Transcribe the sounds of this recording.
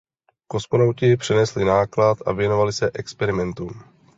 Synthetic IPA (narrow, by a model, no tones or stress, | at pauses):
ko̞smonawcɪpr̥ɛnɛslɪnaːklat̪ʔa̰vjɛno̞valɪsɛʔɛkspɛɾɪmɛnt̪um